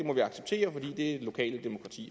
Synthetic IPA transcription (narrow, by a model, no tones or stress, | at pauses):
e̝mɒ̽ʋiɑ̈ɡ̥seb̥̚t͡sʰe̝̰ːɐfɒ̽d̥ḭːd̥e̝ælo̝kʰɛ̰ːləd̥emo̝kʰʁɑ̈t͡sʰḭː